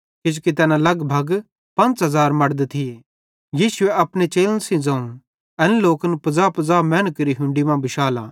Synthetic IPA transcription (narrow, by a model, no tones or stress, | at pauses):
kɪd͡ʒukit̪ɛːnãlɐɡbʱɐɡ | pɐ̃nt͡sɦɐzaːɾmɐɽd̪et̪ʰi | jiːsʊeɐpɽ̃et͡ʃeːlənsĩd͡zãːũ | ɐnloːkənpɐzaːpɐd͡zaːmɛ̃ːnəkɾiɦʊ̃ɳɖimãbɪʃaːlã̰ː